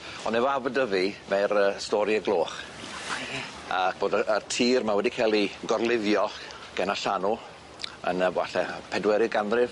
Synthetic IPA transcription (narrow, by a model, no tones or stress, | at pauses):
ɔnɛvɔavədəvimɛɾəstɔɾjəɡlˠoːχ | ak̚ʰb̥oːdəərtʰiːrmawɛdikʰelˠiɡɔrlˠɪðjɔ | ɡ̥ɛnaɬanɔ | ə̰nəbwaɬɛpʰɛdwɛɾɨɡanrɪv